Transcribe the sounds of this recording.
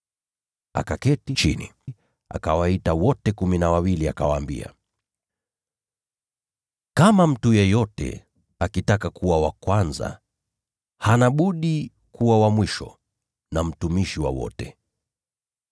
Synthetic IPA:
a̰kakɛtit͡ʃḭni | a̰kawaitawɔtɛkuminawawiliakawaːmbḭa̰ | kamam̩tujɛjɔtɛ̰ | akitakakʰuwawakwanza̰ | hanaɓuɗi | kuwawamwiʃɔ̰ | nam̩tumiʃiwa̰wɔ̰tɛ

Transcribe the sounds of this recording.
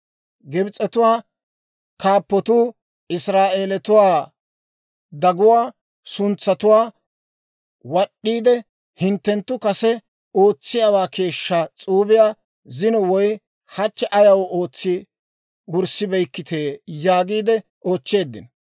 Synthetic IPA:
ɡɛbɪt͡sʼɛt̪ʊwaː | kaːpːɔt̪uː | ɪsɾaːʔe̞ːlɛt̪ʊwaː | d̪ɐɡʊwaː | sʊnt͡sːɐt̪ʊwaː | wɐɗːiːd̪ɛ | hɪnt̪ːɛnt̪ːʊkɐsɛ | o̞ːt͡sːɪjawaːkʰe̞ːʃːɐt͡sʼuːbɪjaː | zɪnɔwɔj | hɐt͡ʃːɛʔɐjɐwo̞ːt͡sːɪ | wʊɾsɪbɛjkːɪt̪ʰe̞ːjaːɡiːd̪ɛ | ʔoːt͡ʃːe̞ːd̪ːɪn

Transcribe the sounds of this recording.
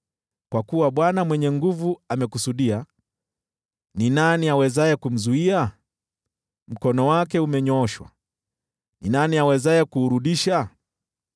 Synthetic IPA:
kwakuwaɓwanamwɛɲɛŋɡuvuamɛkusuɗia | ninaniawɛzaɛkum̩zuia | m̩kɔnɔwakɛumɛɲɔɔʃwa̰ | ninaniawɛzaɛkuːɾuɗiʃa

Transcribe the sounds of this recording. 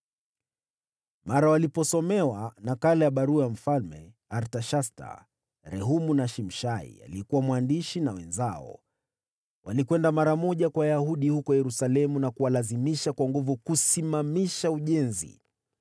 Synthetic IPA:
maɾawalipɔsɔmɛwanakalɛjaɓaɾuaam̩falmɛ̰ | aɾtaʃasta̰ | ɾɛɦumunaʃim̩ʃaḭa̰liɛkuwamwandiʃinawɛ̰nzaɔ̰ | wʔalikwɛndamaɾamɔʄakwajahuɗihukɔjɛɾusalɛmunakuwalazimiʃakwaŋɡuvukusimamiʃauʄɛnzḭ

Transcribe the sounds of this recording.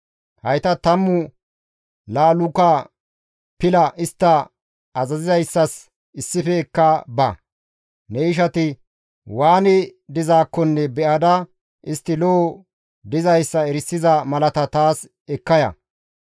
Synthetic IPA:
hɐjt̪ɐt̪ɐmːʊ | laːlʊkɐ | pɪlɐʔɪst̪ːɐ | ɐzɐzɪzɐjsːɐs | ɪsːɪfɛːkːɐbɐ̰ | nɛɪʃ̬ɐt̪ɪ | waːnɪd̪ɪzaːkːɔnːɛbɛʔɐd̪ɐ | ɪst̪ːɪloː | d̪ɪzɐjsːɐɛɾɪsːɪzɐmɐlɐt̪ɐt̪aːs | ɛkːɐjɐ̰

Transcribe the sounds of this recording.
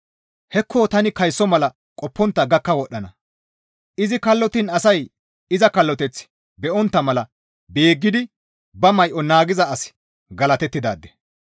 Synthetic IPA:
hɛkʰːoːt̪ɐnɪkɐjsːɔmɐlɐ | kʼɔpːɔnt̪ːɐɡɐkːɐwɔɗːɐnɐ | ʔɪzɪkɐlːɔt̪ɪnɐsɐj | ɪzɐkɐlːɔt̪ɛt͡s | bɛʔɔnt̪ːɐmɐlɐ | beːɡːɪd̪ɪ | bɐmɐjʔɔnaːɡɪzɐːs | ɡɐlɐt̪ɛt̪ːɪd̪a̰ːd̪ːɛ̥

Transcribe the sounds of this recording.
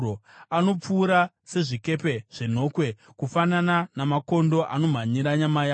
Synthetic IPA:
oano̞p͡fuːɾa | se̞ʐike̞pe̞ʐ̥en̤o̞kwe̞ | kufanananamako̞ndo̞ʔano̞m̤aɲiɾaɲamaja

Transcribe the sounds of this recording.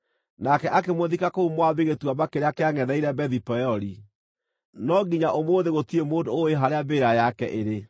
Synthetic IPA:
nakɛʔakemoðikakoumwaβeɣetwabakeɾeakeaŋɛðɛiɾɛbɛðipɔɔɾi | nɔɡiɲaʔomoːðeɣotiemoːdooeɦaɾeabeːɾajakɛ̰ʔeɾe

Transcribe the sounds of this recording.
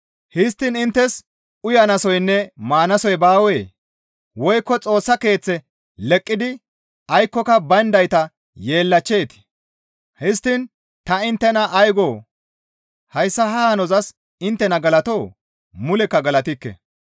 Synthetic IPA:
hɪst̪ːɪnɪnt̪ːɛs | ʊjɐnɐsɔjnːɛmaːnɐsɔjbaːweː | wɔjkːɔt͡sʼo̞ːsːɐke̞ːt͡sːɛ | lɛkʼːɪd̪ɪ | ɐjkːɔkɐbɐnd̪ɐjt̪ɐ | je̞ːlːɐt͡ʃːe̞ːt̪ɪ̥ | hɪs̬t̪ːɪn | t̪ɐɪnt̪ːɛnɐʔːjɡoː | hɐjsːɐɦɐhɐnɔzɐs | ɪnt̪ːɛnɐɡɐlɐt̪o̞ː | mʊlɛkːɐɡɐlɐt̪ɪkːɛ̰

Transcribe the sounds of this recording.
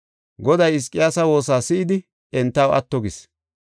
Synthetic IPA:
ɡɔd̪ɐjɪs̬kʼːɪjaːsɐwo̞ːsaːsɪʔɪd̪ɪ | ɛnt̪ːɐwʔɐ̰t̪ːɔɡɪs

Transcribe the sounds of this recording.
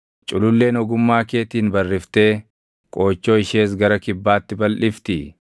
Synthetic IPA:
t͡ʃʼʊlʊlːe̞ːnɔɡʊmːaːke̞ːt̪iːnbɐrːɪft̪e̞ː | kʼo̞ːt͡ʃːo̞ːɪʃe̞ːs̬ɡɐɾɐkɪbːaːt̪ːɪbɐlʔɪft̪ɪ

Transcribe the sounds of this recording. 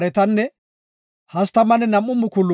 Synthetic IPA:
ɾɛt̪ɐnːɛ | hɐst̪ɐmɐnɛnɐmːʊmːʊkʊlːʊ

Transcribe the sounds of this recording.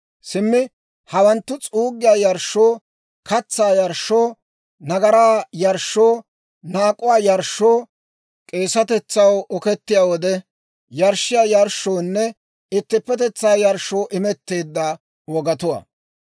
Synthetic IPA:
sɪmːɪ | hɐwɐnt̪ːʊt͡sʼuːɡɪjaːjɐɾʃːoː | kʰɐt͡sːaːjɐɾʃːoː | nɐɡɐɾaːjɐɾʃːoː | naːkʼːʊwaːjɐɾʃːoː | kʼe̞ːsɐt̪ɛt͡sːɐwɔkɛt̪ːɪjaːwɔd̪ɛ | jɐɾʃːɪjaːjɐɾʃoːnːɛ | ɪt̪ːɪpːɛt̪ɛt͡sːaːjɐɾʃo̞ːʔɪmɛt̪ːe̞ːd̪ːaː | wɔɡɐt̪ʊwɐ̰ː

